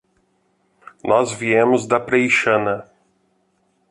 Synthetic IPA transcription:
nɔzviẽmʊzd̪ɐpɾejʃɐ̃nɐ

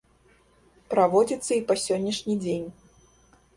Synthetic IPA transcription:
pɾavɔd͡zʲit̪sːɐipɐsʲɔnʲːɐʂnʲid͡zʲenʲ

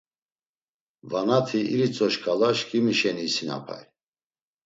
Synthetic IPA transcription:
vanat̪ʰiiɾit͡sʼɔʃkʰʼalaʃkʼimiʃɛniːsina̰pʰa̰j

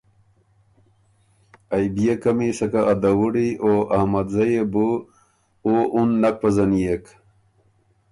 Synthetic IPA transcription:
ɐjbijekɐmisɐkaːd̪ɐwuɽioɐhmɐd̪zɐjebu | oʔunːɐk̚pɐzɐnijek

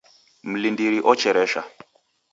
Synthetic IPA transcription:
m̩lindiɾiʔɔt͡ʃɛɾɛʃa

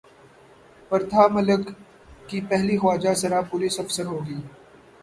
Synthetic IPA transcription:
pɐɾt̪ʰaːmɐləkː | ipɛɦlixaːd͡ʒasɐɾapʊlɪsɐfsəɾɦoːɡiː

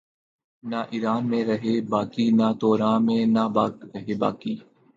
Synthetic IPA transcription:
naʔiːɾaːnmẽɾəɦeːbaːkinat̪oːɾãːmẽnabaːɾəɦeːba̰ːkiː

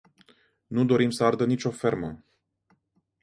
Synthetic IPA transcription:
nud̪o̞ɾimsəard̪ənit͡ʃʲo̞fe̞rmə

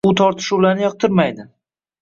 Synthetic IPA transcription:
ʊt̪ʰɒɾt̪ʰɪ̥ʃuwlaɾnɪjɒq̚t̪ʰɪɾmajd̪ɪ

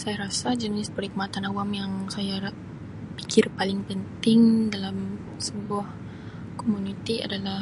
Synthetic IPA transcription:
sajaɾasad͡ʒənɪspərɾikəmat̪anawamjaŋsaja | pi̥kʰɪrpalɪŋpənt̪ɪŋdalam | səbuah | komunit̪ia̰dala

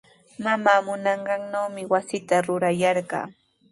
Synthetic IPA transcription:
mamaːmʊnɑɴɢɑŋnawmɪwasɪt̪aɾʊɾajɑɾɢɑ̰ː

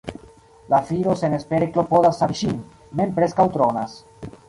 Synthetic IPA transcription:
lafiɾosenespeɾeklo̞pod̪asaɾʃin | mempɾeskawt̪ɾonas

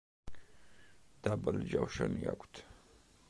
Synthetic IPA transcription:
d̪̥abəld͡ʒawʃanja̰kʷt̪ʰ

